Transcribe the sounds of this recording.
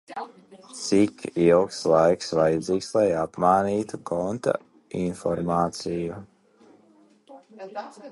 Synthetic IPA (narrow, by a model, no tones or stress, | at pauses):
t̪sikilkslˠajksvajad̪ziːkslˠajapmaːniːt̪ukɔnt̪a̰ | infɔɾmaːt̪siju